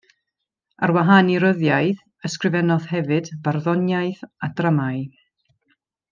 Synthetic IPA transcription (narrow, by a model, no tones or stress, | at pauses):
arwaɦaniɾəðjajð | əskrɨvɛnɔð̥hɛvɨdvarðɔnjaɨθadramaɨ